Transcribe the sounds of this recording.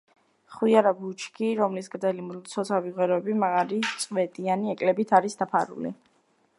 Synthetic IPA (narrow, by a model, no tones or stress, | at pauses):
χwiaɾabut͡ʃʰkʰiɾɔmlisɡɾd̪zɛlimlt̪sʰɔsʰaviʁwɛɾɔɛbimaʁalitt̪sʼwɛt̪ʼianiɛkʼlɛbit̪ʰaɾisd̪apʰa̰ɾṵlḭ